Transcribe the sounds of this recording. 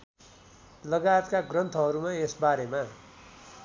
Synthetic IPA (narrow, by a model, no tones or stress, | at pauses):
lʌɡajt̪kaɡrʌnt̪ʰʌɦʌɾumaesbaɾema